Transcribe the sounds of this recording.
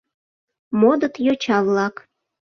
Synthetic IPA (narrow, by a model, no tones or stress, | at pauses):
mod̪ət̪jot͡ɕɑβlɑk